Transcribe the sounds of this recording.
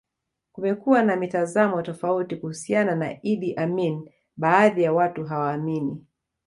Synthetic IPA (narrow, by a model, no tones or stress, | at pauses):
kumɛkuwanamitazamɔtɔfautikuhusianana̰iɗiʔamin | ɓaːðijawatuɦawaːmini